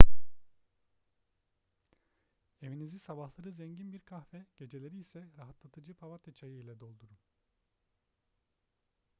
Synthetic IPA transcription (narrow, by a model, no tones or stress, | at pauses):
e̞vinizisabahlˠaɾɯzɛɲɟinbiɾkʰahfɛɟ̥e̞d͡ʒe̞lʲe̞ɾiːsɛɾaɦat̪lˠat̪ʰɯd͡ʒɯpʰavat̪it͡ʃʰajɯilʲɛd̪o̞lˠd̪uɾum